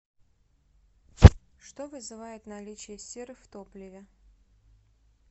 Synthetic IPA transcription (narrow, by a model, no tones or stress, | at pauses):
ʂt̪ovɨzɨvajɪt̪nɐlʲit͡ɕɪjəsʲeɾɨft̪oplʲɪvʲɪ